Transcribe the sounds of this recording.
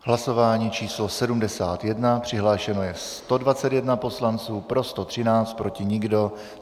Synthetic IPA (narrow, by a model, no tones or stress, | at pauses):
ɦlaso̞vaːɲiːt͡ʃiːslo̞sɛdumdɛsa̰ːt̪jɛdnapr̥ɪɦlaːʃɛno̞jɛst̪o̞dvat͡sɛt̪jɛdnapo̞slant͡suːpɾo̞st̪o̞t̪r̥ɪnaːt͡st̪̚pɾo̞cɪɲɪɡdo̞